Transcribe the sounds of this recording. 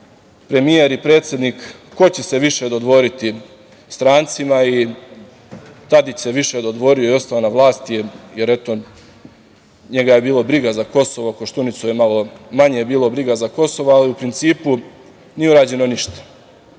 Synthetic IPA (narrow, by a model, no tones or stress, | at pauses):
pɾe̞mije̞ɾipɾe̞ːt̪sjed̪nikːo̞t͡ɕese̞ʋiʃed̪o̞d̪ʋo̞ɾit̪i | st̪ɾaːnt̪simai | t̪ad̪it͡ɕse̞ʋiʃed̪o̞d̪ʋo̞ɾio̞io̞st̪aonaʋlˠaːst̪jeje̞ɾe̞t̪o̞ | ɲe̞ɡaje̞biːlˠo̞bɾiɡazako̞so̞ʋo̞koʃt̪unit̪sujemalo̞maɲejebiːlo̞bɾiɡazako̞soʋoaliupɾint̪siːpu | nijeuɾaːd͡ʑe̞no̞niʃt̪ḁ